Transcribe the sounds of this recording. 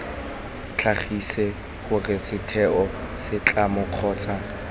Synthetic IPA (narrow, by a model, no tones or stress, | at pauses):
t͡ɬʰaχisɛ | χʊrɪsɪtʰɛɔ | sɪt͡ɬʼamʊq͡χʰɔːt͡sa